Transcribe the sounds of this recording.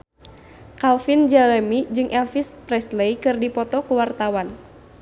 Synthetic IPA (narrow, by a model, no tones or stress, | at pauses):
kalfind͡ʒalɛmid͡ʒɨŋʔɛlfispɾɛslejkɨrdipɔt̪ɔkuwart̪awan